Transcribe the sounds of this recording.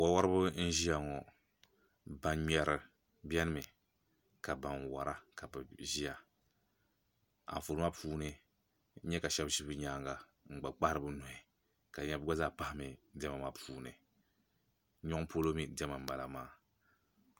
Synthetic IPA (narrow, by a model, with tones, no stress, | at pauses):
wa˨wa˦ɾɨ˦bɨ˦n̩˦ʒi˦ja˨ŋɔ˨ | ba˨nɲɛ˨ɾɨ˨ | bjɛ˦nɨ˦mɨ˨ | ka˨ba˨n˨wa˨ɾa˦ka˨bɨ˨ʒi˦ja˨ | a̰˨ɱ˨fu˨lma˦pʰuː˦nɨ˨˦ | ɲɛ˦ka˨ʃɛ˦bʃi˦bɨ˦ɲa˦ŋɡa˨ | ŋ͡m̩˨ɡ͡ba˨k͡pa˦ɾɨ˨bɨ˦no˨i˨ | ka˨ɲɛ˦bɨ˦ɡa˦zaː˦˨pa˦hɪ˦mi˨dɛ˦ma˨ma˦pʰuː˨nɨ˨˦ | ɲɔ˦ŋ˦po˦lo˦mi˨dɛ˦ma˨m̩˨ba˨la˨maː˦